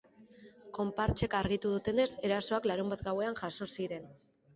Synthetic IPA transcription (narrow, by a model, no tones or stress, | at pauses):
ko̞mpaɾt͡ʃe̞kaɾɣit̪uðut̪e̞ne̞se̞ɾaso̞aklaɾumbat̪ɡawe̞anʝaso̞siɾe̞n